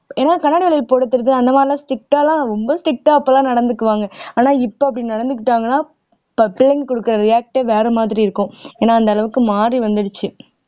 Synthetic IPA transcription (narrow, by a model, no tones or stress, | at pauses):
eːnaːkɐnːaːɽɪʋɐɭɐjɪlpoːɽɯt̪ːɯɾɐðɯɐnd̪ɐmaːɾɪlãːsʈɪk̚ʈaːlãːɾɔmbɐsʈɪk̚ʈaːɐpːɐlãːnɐɽɐnd̪ɯkːɯʋaːŋɡɐaːnaːɪpːoːɐp̬ːɽɪnnɐɽɐnd̪ɯkːɪʈːaːŋɡɐnːaː | pɪlːɪŋɡkɔɽɯkːɯɾɐɾɪjaːk̚ʈːɛʋeːɾɛmaːðɪɾiɪɾɯkːʊ̃eːnːaːɐnd̪ɐlɐʋɯkːɯmaːriʋɐnd̪ɪɽɯt͡ʃːɯ